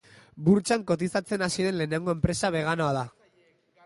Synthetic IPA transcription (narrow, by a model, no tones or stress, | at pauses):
buɾt͡ʃaŋko̞t̪̬isat͡se̞nasiɾe̞nle̞ːne̞ŋɡo̞e̞mpɾe̞saβ̞e̞ɣ̞ano̞aða